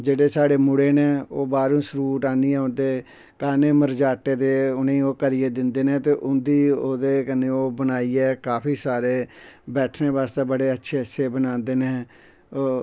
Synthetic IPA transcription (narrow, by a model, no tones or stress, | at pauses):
d͡ʒeːɽeːsaːɽeːmʊɽeːneːoːbaːɾũːsɾuːʈaːniːɛːʊnd̪eː | kaːneːməɾd͡ʒaːʈːeːd̪eːʊnẽːoːkəɾiːeːd̪ɪnd̪eːnẽːt̪eːʔʊnd̪iːoːd̪eːkəneːoːbənaːiːɛːkaːpʰiːsaːɾeːbɛːʈʰneːbaːst̪eːbəɽeːətːʃʰeːəsʰeːbənãːnd̪eːneː